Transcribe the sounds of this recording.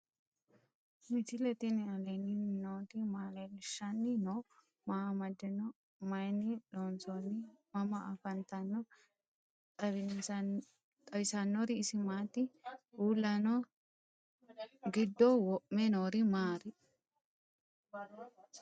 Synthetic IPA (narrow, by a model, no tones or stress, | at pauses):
mɪt̪ɪlɛt̪ɪnɪɐlɛnɪnoːt̪ɪmaːlelɪʃːɐnːɪno | mɐmɐd̪ːɛnɔ | mɐjnɪloːnsonɪmɐmɐʔɐfɐnt̪ɐnːɔ | t̪ʼɐβɪn | t̪ʼɐwɪsɐnːɔɾɪːsɪmaːt̪ɪuːlːɐnɔ | ɡɪd̪ːɔwɔʔmːɛnoːɾɪmaːɾɪ